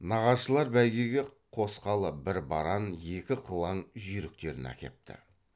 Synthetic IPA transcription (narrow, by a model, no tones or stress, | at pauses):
nɑʁɑzʃəlˠɑɾbæjɡʲeɡʲe̞qʰo̞sqɑlˠəbɪɾbɑɾɑnje̞kʲɪqʰəlˠɑɴʒʏɾɪkt̪e̞ɾɪ̰næ̰kʲe̞̰p̚t̪ʰɪ̰